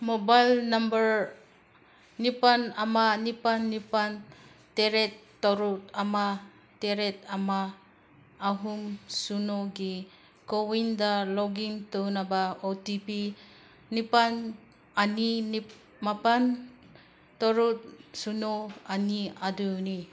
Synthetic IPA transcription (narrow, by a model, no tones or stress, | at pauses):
mobajlnambəɾ | nipanamanipanːipan | teɾetːɔɾutama | teɾet̚amaː | ɦumsunoɡi | kowindalɔɡiŋtonabaotipi | nipan | anini | mapan | tɔɾut̚sunoaniaduni